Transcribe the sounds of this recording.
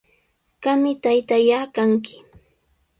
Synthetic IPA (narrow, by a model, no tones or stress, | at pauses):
kamɪt̪ajt̪ajakaŋkɪ̥